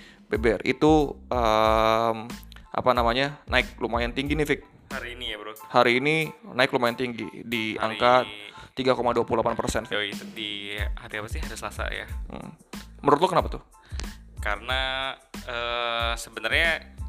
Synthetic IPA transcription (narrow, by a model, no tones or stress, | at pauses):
bebɛrḭt̪uʔə | mʔa̰panamaɲanʔaɪk̚lumajant̪iŋɡinɪfɪk̚ | haɾiːnijabəɾʊt̪̚haɾiːninaɪklumajant̪iŋɡḭdia̰ŋkat̪ːiɡakomaduapululapanpərsɛnfit̪udihat̪iapasiɦaɾisəlasa̰ja̰ | məɾʊt̪̬̚lokənapat̪ʊ | kaɾəna | əsəbənərɲa